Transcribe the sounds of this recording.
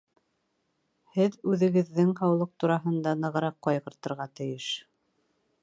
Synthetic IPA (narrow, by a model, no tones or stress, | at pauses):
hɘðʉðɘ̆ɡɘ̆ðːɘŋhɑwlˠɤq̚t̪uɾɑɦɤ̆nd̪ɑnɤ̆ʁɤ̆ɾɑqːɑjʁɤ̆ɾt̪ɤ̆ɾʁɑt̪ɘ̆jɘʃ